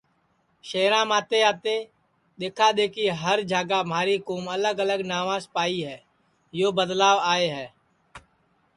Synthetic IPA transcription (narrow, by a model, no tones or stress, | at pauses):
ʃeːɾãːmaːt̪eaːt̪e | d̪eːkʰad̪eːkiɦəɾd͡ʒʱaːɡaːmaːɾikuːmələɡələɡnaːʋãspaːiɦɛː | joːbəd̪laːʋaːeːɦɛː